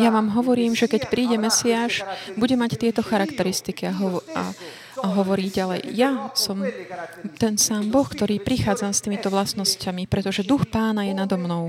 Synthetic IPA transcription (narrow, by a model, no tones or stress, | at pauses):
jaʋaːmɦɔʋɔɾiːmʒɛkɛcpɾiːɟɛmɛsiaːʃbuɟɛmact̪ɪɛt̪ɔxaɾakt̪ɛɾist̪ikiaɦɔa̰ː | ɦɔʋɔɾiːɟalɛ̰jjasɔm | t̪ɛnsaːmbɔxkt̪ɔɾiːpɾixaːd͡zamst̪imit̪ɔʋlasnɔscamipɾɛt̪ɔʒɛd̪uxpaːnajɛnad̪ɔmnɔʊ